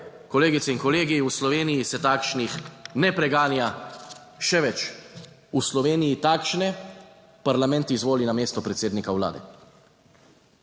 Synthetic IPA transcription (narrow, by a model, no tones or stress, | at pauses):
kɔleːɡit̪sɛinkɔleːɡiuslɔʋeːnijisɛt̪aːkʃnixnɛpɾɛɡaːnja | ʃɛʋɛt͡ʃ | uslɔʋeːnijit̪aːkʃnɛ | paɾlamɛ̃nt̪izʋoːlinameːst̪ɔpɾɛt̪seːd̪nikawla̰ːd̪ɛ̰